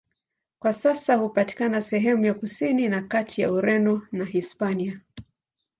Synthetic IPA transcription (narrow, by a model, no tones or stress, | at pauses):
kwasasahupati̥kanasɛɦɛmujakusininakatʰija̰uɾɛnɔnaɦispania